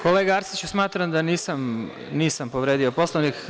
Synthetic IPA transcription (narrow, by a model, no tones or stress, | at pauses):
ko̞leɡaaɾsit͡ɕusmaːt̪ɾamd̪aniːsam | niːsampo̞ʋɾeːd̪io̞po̞slˠonik